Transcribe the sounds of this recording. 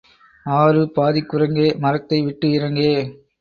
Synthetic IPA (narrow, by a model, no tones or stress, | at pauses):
aːɾɯpaːðɪkːʊrɐŋɡeːmɐɾɐk̚t̪ːɐɪʋɪʈːɯɪrɐŋɡeː